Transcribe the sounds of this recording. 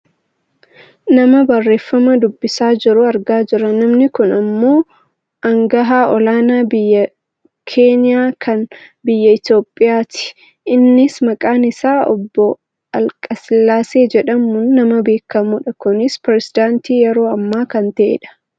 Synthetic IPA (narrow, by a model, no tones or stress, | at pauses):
nɐmɐbɐrːe̞ːfːɐmɐd̪ʊbːɪsaːd͡ʒɪɾʊɐɾɡaːd͡ʒɪɾɐnɐmnɪkʊnɐmːo̞ː | ɐŋɡɐɦaːɔlaːnaːbɪjːɐ | kʰe̞ːnɪjaːkʰɐnbɪjːɐɪt̪jo̞ːpʼːɪjaːt̪ɪ̥ | ɪnːɪsmɐkʼaːnɪsaːɔ̰bːɔ | ɐlkʼɐslːaːse̞ːd͡ʒɛᶑɐmːʊnːɐmɐbe̞ːkːɐmuᶑɐkʊnɪspɾɛsɪd̪aːnt̪iːjɛɾo̞ːɐmːaːkɐnt̪ɐʔḛᶑɐ̥